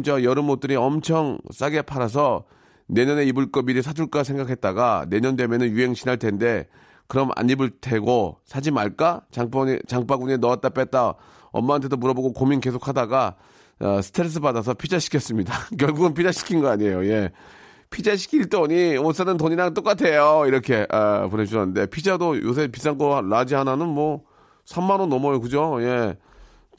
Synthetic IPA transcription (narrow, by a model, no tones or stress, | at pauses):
mt͡ɕʌjʌɾɯmot̚t͈ɯɾiʌmt͡ɕʰʌŋs͈aɡe̞pʰaɾas̬ʰʌ | ne̞ɲʌne̞ibɯɭk͈ʌbiɾisʰad͡ʑuɭk͈as̬ʰe̞ŋɡakʰe̞t̚t͈aɡane̞ɲʌndwe̞mjʌnɯnjuɦe̞ŋɕʰinaɭt͈e̞nde̞ | kɯɾʌmʔa̰ɲːibɯɭtʰe̞ɡosʰad͡ʑimaɭk͈at͡ɕaŋpt͡ɕaŋp͈aɡuɲenʌat͈̚ap͈et̚t͈a | ʌ̰mːaantʰe̞domuɾʌboɡokominke̞sʰokʰadaɡa | ʌ̰sʰɯ̥tʰeɾs̬͈ʰɯbadas̬ʰʌpʰid͡ʑaɕʰi̥kʰʌs͈ɯmɲidakjʌɭɡuɡɯnpʰid͡ʑaɕʰi̥kʰinɡʌaɲejoje̞ | pʰid͡ʑaɕ̬ʰi̥kʰiɭt͈oɲions͈ʰanɯntoɲiɾaŋt͈ok͈atʰe̞joiɾʌkʰe̞ʔʌpone̞t͡ɕʰuɾʌnːɯnde̞pʰid͡ʑadojo̰s̬ʰepis͈aŋkoalad͡ʑiɦananɯnmwʌ | sʰamːanonʌmʌjokɯd͡ʑoje̞